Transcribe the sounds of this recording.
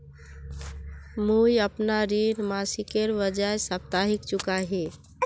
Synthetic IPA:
mujəpnaɾiɾmasikeɾʋəd͡ʒajsəp̚t̪aɦikt͡ʃukaɦe

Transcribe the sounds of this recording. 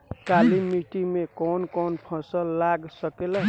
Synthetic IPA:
kalimiʈimekɔnkɔnpʰɔ̃səlːaɡsəkelə

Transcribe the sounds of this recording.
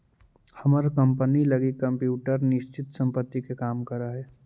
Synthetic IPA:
həməɾkəmpəniləɡikːəmpjuːʈəɾnɪʃt͡ʃɪt̪sə̃mpət̪ːikekaːmkəɾaɦɛː

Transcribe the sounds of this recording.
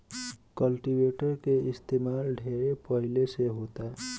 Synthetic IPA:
kʌlʈibeʈʌɾkeist̪emalɖʱeɾepʌɦileseɦot̪a

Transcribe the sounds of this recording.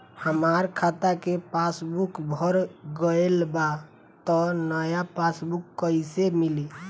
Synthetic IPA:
həmaɾkʰat̪akepasbukbʱəɾɡəelba | t̪ɔnəjapasbukːəɪsemili

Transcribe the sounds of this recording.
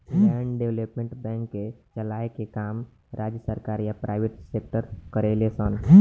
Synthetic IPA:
ɛɳɖɖewləpmẽɳʈbɛ̃ːŋkːet͡ʃəlaːekekaːm | ɾʔaːd͡ʒjəsəɾkaːɾjapɾaɪʋeʈseːk̚ʈəɾkəɾelesən

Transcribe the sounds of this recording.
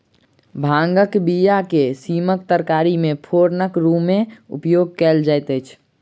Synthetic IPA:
bʱãŋɡəkbijakesiməkt̪əɾkaɾimepʰoɾnəkɾumeṵpjoɡ̚kɛld͡ʒajt̪əɪt͡ʃʰ

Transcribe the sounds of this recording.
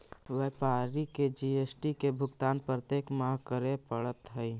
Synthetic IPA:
ʋepaːɾiked͡ʒiesʈikebʱʊɡt̪aːnpɾət̪eːkmaːɦkəɾepəɽət̪ɦəi

